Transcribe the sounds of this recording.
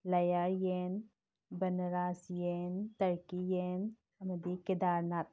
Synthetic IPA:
lɐjajen | bɐnɾaːsjent̪ɐɾkijen | ɐmɐd̪ikɪd̪aːɾnat̪̚

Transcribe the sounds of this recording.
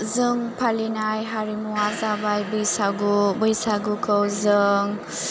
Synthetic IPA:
zɯŋpʰalinajɦaɾimuazabajbɯjsaɡubɯjsaɡukəwzɯŋ

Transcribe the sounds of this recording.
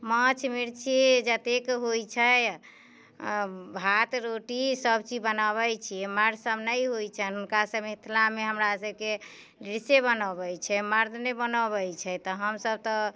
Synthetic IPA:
mə̃t͡ʃʰmiɾt͡ʃʰed͡ʒət̪ekɦojt͡ʃʰə | bʱat̪ɾoʈisəbt͡ʃibənaβɛjt͡ʃʰiɛməɾʱsəbnəjɦojt͡ʃʰɛnɦunkasəbit̪ʰlameɦəmɾasəb̚ke | ɖiɾsebənəbɛt͡ʃʰɛməɾd̪ʱnebənəbɛt͡ʃʰɛt̪ɔɦəmsəb̚t̪ɔ

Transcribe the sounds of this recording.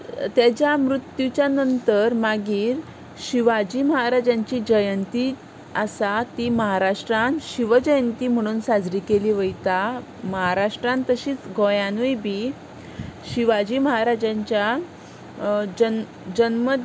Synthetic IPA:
t̪jat͡ɕjamɾut̪jut͡ɕjanənt̪əɾmaɡiːɾ | ɕiʋad͡ʑiːməɦaɾad͡ʑãɲt͡ɕiːd͡ʑəjənt̪iː | asat̪iːməɦaɾaʂʈɾãnɕiʋəd͡ʑəjənt̪iːm̤əɽ̃uːnsad͡zɾiːkeliːʋəjt̪a | məɦaɾaʂʈɾãnt̪əɕiːt͡sɡojanujbʱiː | ɕiʋad͡ʑiːməɦaɾad͡ʑaɲt͡ɕja | d͡ʑən | d͡ʑənmə

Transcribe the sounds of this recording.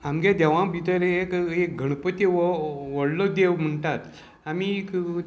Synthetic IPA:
amɡẽd̪ɛʋãbʱit̪əɾekek̚ɡʱəɽ̃pət̪iʋʋəɽlɔd̪ewm̤əɳʈ̪at̪ | amik

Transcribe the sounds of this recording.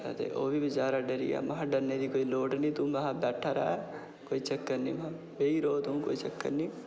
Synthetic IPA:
ə̰t̪ḛʔoːbʱibɪt͡ʃaːɾaɖəɾḭja̰ːmɐɦãɖəɾned̪iːkoːiːloːʈnĩːt̪ũmɐɦãbɛːʈʰaɾaɛ | koːit͡ʃəkːəɾniːmɐɦã | beːiːɾoːt̪ʊ̃ko̰ːit͡ʃəkːəɾniː

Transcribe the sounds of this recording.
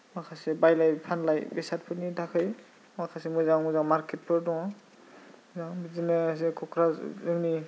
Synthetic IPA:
ɔkʰasɛbajlajpʰanlajbɛsat̚pʰɯnidakʰɔj | mɔkʰasɛmɔjzaw̃zamaɹkɛt̚pʰɔɹdɔã | zawbizinɛs̬ɛkʰɔkʰɾazɯŋni

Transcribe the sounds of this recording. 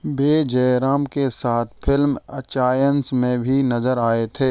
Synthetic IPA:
beːd͡ʒɛːɾaːmkesaːt̪ʰpʰɪlmɐt͡ʃaːjənsmẽbʱinɐzəɾaːet̪ʰeː

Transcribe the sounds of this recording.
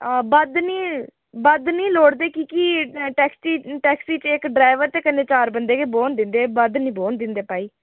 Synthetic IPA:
bəd̪niː | bəd̪nĩːloːɽd̪eːkikiʈɛːksiːʈɛːksiːt͡ʃɪkɖɾaːɪʋəɾt̪eːkənːeːt͡ʃaːɾbənd̪eːkeːboːnd̪ɪnd̪eːbəd̪nĩːboːnd̪ɪnd̪eːpaːiː

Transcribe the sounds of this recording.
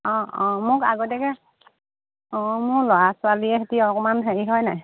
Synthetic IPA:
ɔ̃ɔ̃mʊka̰ɡɔtɛkɛ | ɔ̃mʊɹlɔɹasʊaliɛɦetiɔkɔmanɦeɹiɦɔjnaj

